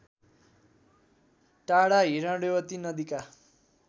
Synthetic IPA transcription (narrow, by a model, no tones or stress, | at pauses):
ʈaɽaɦiɾãɽewʌt̪inʌd̪ika